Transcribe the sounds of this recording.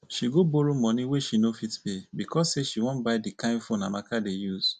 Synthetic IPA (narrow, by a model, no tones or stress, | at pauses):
ʃiɡoboɾumɔ̃nĩweʃinofitpebikɔsːeʃiwɔ̃nbaɪdikãɪ̃fõnamakadejuz̥